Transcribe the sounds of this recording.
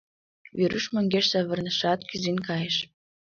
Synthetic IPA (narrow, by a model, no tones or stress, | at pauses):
βeɾyʃmə̆ŋɡʲeʃsæβə̆rnə̆ʃɑt̪kyzinkɑjə̆ʃ